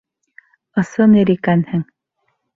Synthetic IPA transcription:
ɤ̆sɤniɾikænhɘŋ

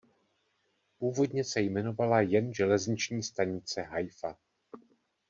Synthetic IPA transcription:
puːvo̞dɲɛsɛjmɛno̞valajɛnʒɛlɛzɲɪt͡ʃɲiːst̪aɲɪt͡sɛɦajfa

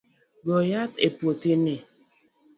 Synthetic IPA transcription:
ɡɔjatepotene

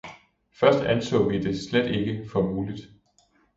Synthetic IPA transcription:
fɶɐsd̥ænsʰɔ̰̽ːʋid̥e̝sled̥e̝ɡ̥əfɒ̽muːlid̥

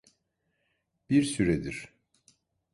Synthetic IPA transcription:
b̥iɾsyɾɛd̪iɾ̥

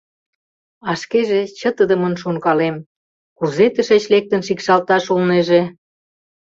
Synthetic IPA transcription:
ɑʃkeʒet͡ɕət̪əd̪ə̆mənʃoŋkɑlem | kuzet̪əʃet͡ɕlek̚t̪ənʃikʃɑlt̪ɑʃolneʒe

